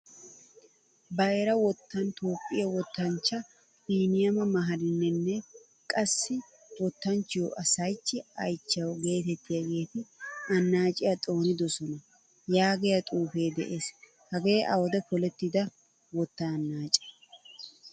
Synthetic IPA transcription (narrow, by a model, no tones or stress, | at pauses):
bɐjɾɐwɔt̪ːɐnt̪oːpʼːɪjɐwɔt̪ːɐnt͡ʃːɐ | fiːnɪjɐmɐmɐɦɐlɪnːɛnːɛ | kʼɐsːɪ | wɔt̪ːɐnt͡ʃːɪjoʔɐsɐjt͡ʃːɪɐjt͡ʃːɐwɡe̞ːt̪ɛt̪ːɪjɐɡe̞ːt̪ɪɐnːaːt͡ʃʼɪjɐt̪ʼo̞ːnɪd̪ɔsɔnɐ | jaːɡɛjɐt̪ʼuːfe̞ːd̪ɛ̰ʔe̞ːs | hɐɡe̞ːʔɐ̰wɔd̪ɛpɔlɛt̪ːɪd̪ɐ | wɔt̪ːɐnːaːt͡ʃʼɛ̥